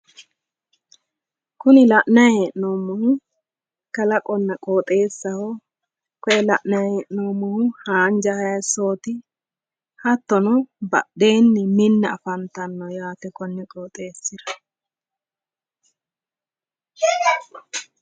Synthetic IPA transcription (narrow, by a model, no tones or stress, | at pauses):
kʊnɪlɐʔnɐjheːʔnoːmːɔhʊ | kɐlɐkʼɔnːɐkʼoːt̪ʼe̞ːsːɐhɔ | kɔʔɛlɐʔnɐjheʔnoːmːɔhʊhaːnd͡ʒɐhɐjɐso̞ːt̪ɪ | hɐt̪ːɔnɔbɐ̰ɗe̞ːnːɪmɪnːɛɐfɐnt̪ɐnːɔjaːt̪ɛkɔnːɛkʼoːt̪ʼe̞ːsːɪd̪ɐ̥